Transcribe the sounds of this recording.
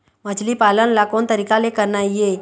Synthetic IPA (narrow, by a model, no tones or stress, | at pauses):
məd͡ʒlipaːlənlakont̪əɾikalekəɾnaie